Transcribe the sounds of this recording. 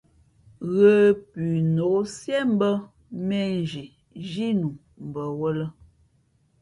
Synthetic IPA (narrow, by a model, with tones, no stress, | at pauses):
ɣə˨pʉ˨no˨˦sjɛ˦m̩˦bə˦ | mɛ˦n˨d͡ʒi˨ | ʒi˦nu˨ | m̩˨bə˨wə˦lə˦